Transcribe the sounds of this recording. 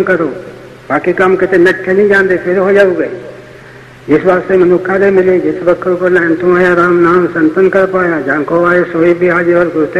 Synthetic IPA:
kɐɾoː | baːkikamkɪt̪enɐʈkenĩd͡ʒãːnd̪epʰɪɾɦod͡ʒaːuɡe | d͡ʒɪsbaːsemɐnʊkʰːalemɪlid͡ʒɪsbəkʰːɾkolɛːnt̪ũaːjaɾaːmnaːmsɐ̃nt̪ənkɐɾpaːjad͡ʒãːkoaːesoːibʱiɦaːd͡ʒiʋəlɡɾut̪e

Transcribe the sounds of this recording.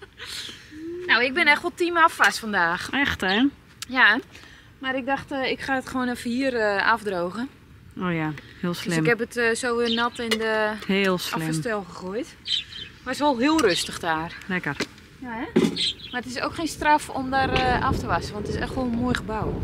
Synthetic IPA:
nawɪk̚bɪnɛxtʋɔlˠtimafʋastfɔndaːxɛxtɛ | ja | maɾɪk̚daxtɪkχaːətχʋoːnəfəiərəafdroːɣə | oːjahɪːlˠslɪmɪkhɛpətsowʋɪlnɔtɪndəhelˠslɪfəmstɛlˠχəχojt | ʋɔsʋolˠɦɪəlˠrøstəxdaːrlɛkər | jaɛmarətɪso̰ːkxeːnstrafomdaɾəaftəʋasəʋɔntətɪsɛxtʋɔlˠənmoːjxəbaw

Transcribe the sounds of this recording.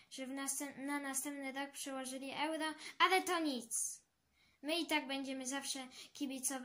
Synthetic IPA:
ʐɛvnaɛnanast̪ɛmp̚nɘɾak̚pʂɛwɔʐɘlʲiʔɛwɾɔalɛt̪ɔɲit̪s | mɘit̪aɡ̚bɛɲd͡ʑɛmɘzafʂɛkʲibʲit̪sɔv

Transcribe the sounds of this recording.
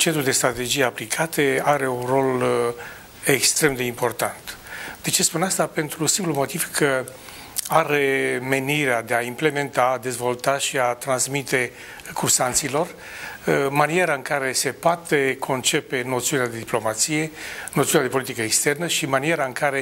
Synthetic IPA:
t͡ʃent̪ɾuld̪est̪ɾat̪e̞d͡ʒijeaplikʰat̪eaɾe̞unro̞l | ekst̪ɾe̞md̪e̞impo̞rt̪ant̪d̪e̞t͡ʃe̞spunast̪ape̞nt̪ɾusimplumo̞t̪iv̥kʰə | aɾe̞me̞niɾead̪e̞aimple̞me̞nt̪ad̪e̞zvo̞lt̪aʃiat̪ɾansmit̪e̞ | kʰursant̪silo̞r | manie̞ɾaɨŋkaɾe̞se̞poat̪e̞kʰo̞nt͡ʃe̞pe̞no̞t̪siunead̪e̞d̪iplo̞mat̪sije̞not̪siunead̪epo̞lit̪ikəekst̪e̞rnəʃimanie̞ɾaɨŋkaɾe̞

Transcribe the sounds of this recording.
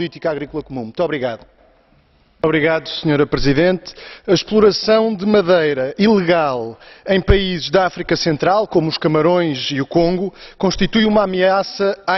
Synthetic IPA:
plˠit̪ikaɣɾiklˠɐkumũmũt̪ɔβɾiɣaðu | ɔβɾiɣaðusɲoɾɐpɾɨziðẽnt̪ɐʃplˠuɾɐsɐ̃w̃d̪ɨmɐðɐjɾɐʔilˠɨɣalˠɐ̃j̃pɐizɨʒðɐafɾikɐsẽnt̪ɾalˠkomuːʃkɐmɐɾõj̃ziukõŋɡukõʃt̪it̪ujumamɨasɐa

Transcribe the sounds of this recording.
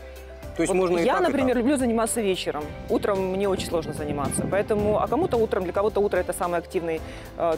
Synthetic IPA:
t̪oɪvmoʐnəjanəpɾʲɪmʲe̞rlʲʊblʲuzənʲɪmat̪səvʲet͡ɕɪɾəmut̪ɾəmːnʲeot͡ɕɪnʲslˠo̞ʐnəzənʲɪmat̪səpɐɛt̪əmʊɐ̰kɐmut̪əut̪ɾəmdlʲɐkɐvot̪əut̪ɾəɛt̪əsamɨjɐktʲivnɨj

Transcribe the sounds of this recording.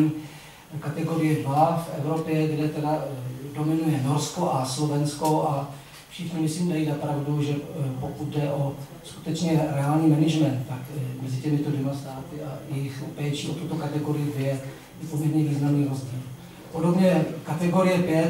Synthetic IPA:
i | kat̪ɛɡo̞ɾɪjɛdvafʔɛvɾo̞pjɛɡdɛt̪ɛdado̞mɪnujɛno̞ɾskoʔaslo̞vɛnsko̞ʔa | fʃɪxɲɪmɪsliːmdajizapɾavduʒɛpokut̪dɛʔo̞ | sku̥t̪ɛt͡ʃɲɛɾɛaːlɲiːmɛnɪʒmɛnt̪t̪akmɛzɪcɛmɪt̪odvɛmast̪aːt̪ɪʔajɛjɪxpɛt͡ʃiʔot̪ːut̪okat̪ɛɡo̞ɾɪjɪdvjɛ | ipomɪɾɲɛviːznamniːɾo̞zɟiːl | podo̞bɲɛkat̪ɛɡo̞ɾɪjɛpjɛ

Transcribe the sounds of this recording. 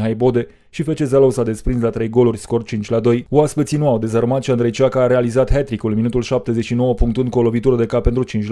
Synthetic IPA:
ɦajbo̞d̪e̞ | ʃife̞t͡ʃe̞zalowsad̪e̞spɾinslat̪ɾe̞jɡo̞lurʲsko̞rt͡ʃint͡ʃʲlad̪o̞juaspet̪sinuawd̪e̞zarmat̪ʃiand̪ɾejt͡ʃiakaːɾe̞alizat̪ɦet̪ɾikulminut̪ulʃap̚t̪e̞zet͡ʃʃino̞wəpuŋkt̪unkolo̞vit̪uɾəd̪e̞kape̞nt̪ɾut͡ʃint͡ʃʲ

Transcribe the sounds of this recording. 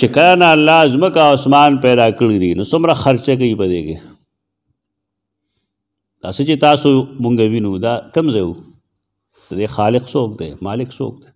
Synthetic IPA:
t͡ʃekɐlanaːlːaːzməkaosmɑːnpɛːd̪aːkəɽid̪inosʊmɾaxaɾt͡ʃak̬aipɐd̪ḛːke | d̪̥a̰ːsət͡ʃet̪aːsomʊŋɡawinud̪aːk̪ɐmzau | d̪̥əd̪eːxaːlɪqsoːk̚d̪ḛmaːlɪkso̰ːk̚d̪e

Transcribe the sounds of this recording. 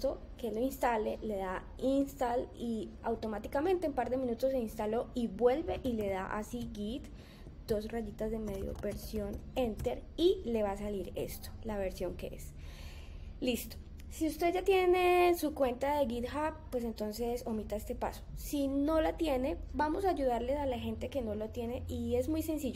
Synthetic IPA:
t̪o̞ | keloinst̪ale̞le̞ða | inst̪aliawt̪o̞mat̪ikame̞nt̪eːmpaɾd̪e̞mĩnut̪o̞se̞inst̪alo̞iβwe̞lbe̞ʔile̞ða̰ʔa̰siɡit̪ | d̪̥o̞sraʝit̪azd̪eme̞ðjo̰be̞ɾsjo̞nent̪e̞ɾile̞βasaliɾḛst̪o̥laβe̞ɾsjo̞ŋke̞̰ʔḛs | list̪o̥ | siust̪e̞d͡ʒat̪je̞ne̞sukwe̞nt̪aðe̞ɣiðxap̚pːwe̞s̬e̞nt̪o̞nse̞so̞mit̪ae̞st̪e̞pa̰so̥sino̞lat̪je̞ne̞bamo̞saːʝuðaɾle̞salaxe̞nt̪e̞ke̞no̞lot̪je̞ne̞ʔie̞zmujse̞nsiʝo

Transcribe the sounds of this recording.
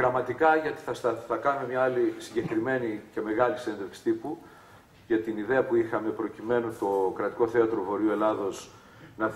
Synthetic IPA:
ɣɾɐmɐt̪ikɐʝɐt̪i̥θɐst̪ɐθɐkɐnume̞mɲɐɐlisiɲɟe̞kɾime̞nice̞me̞ɣɐlisend̪eksi̥t̪ipu | ʝɐt̪iniðe̞ɐpuixɐme̞pɾo̞cime̞nust̪o̞kɾɐt̪i̥ko̞θe̞ɐt̪ɾo̞vo̞ɾiue̞lɐðo̞s | nɐ

